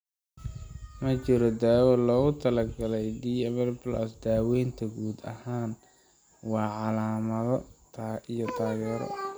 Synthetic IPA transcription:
mɐt͡ʃɪɾɔd̪aːwɛlɔːɣʊt̪ʰɐlɐɡɐlɛjd̪iːɛmɛrpʰlasd̪aːwɛjnt̪ʰɐɡuːd̪ɐ̰haːn | wɑːʕɑlaːmɐðɔt̪ʰːijɔt̪ʰaːɣɛːɾɔ̰

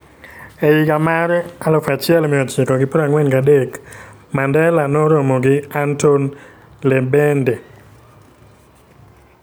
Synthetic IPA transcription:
ejikamaɾalɔfat͡ʃɪɛlmɪɔt͡ʃɪkɔɡɪpɔɾaŋwɛnkadek | mandɛlanɔɾomɔɡɪanton | lɛbɛnde

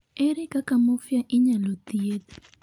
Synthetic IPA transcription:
eɾikakamofjaʔiɲalot̪iet̪i̥

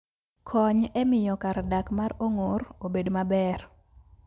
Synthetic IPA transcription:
kʰɔɲɛmɪjɔkaɾdakmaɾoŋoɾobedmabɛr

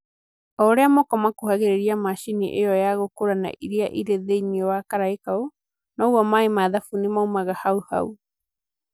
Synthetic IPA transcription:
ɔɾeamɔkɔmakuhaɣeɾeɾiamaʃiniʔeɔjaɣokoɾana̰ʔiɾiaʔiɾeðeiniɔwakaɾaekao | nɔwamaemaðafunimawmaɣahauha̰w

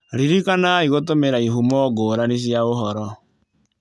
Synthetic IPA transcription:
ɾiɾikanaiɣotomeɾaiɦumɔːɡoːɾanes̬jaoɦɔɾɔ

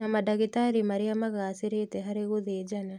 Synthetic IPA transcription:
namadaɣitaɾimaɾeamaɣaːseɾetɛɦaɾeɣoðeːd͡ʒana

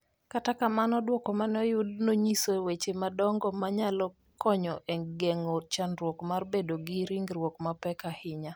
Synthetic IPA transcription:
katakamanɔdwɔkɔmanɔjʊdnoɲisowet͡ʃemadɔŋɡɔmaɲalɔ | kɔɲɔʔɛŋɡɛŋɔt͡ʃanɾwɔkmarbedoɡiɾiŋɡɾwɔkmapɛkahɪɲa

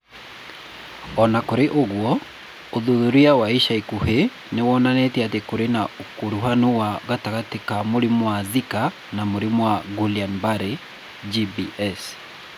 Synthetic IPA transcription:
ɔnakoɾeʔoɣwɔ | oðoðuɾiawaiʃaikuhe | newɔnanɛteatekoɾenaokoɾuɦanowaɣataɣatekamoɾemɔwazika | namoɾemɔwaɡulianbaɾe | d͡ʒibiʔɛs

